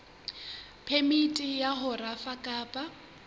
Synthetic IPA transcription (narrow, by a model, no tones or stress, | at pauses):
pʰemitʼijaɦʊrafakʼaːpʼa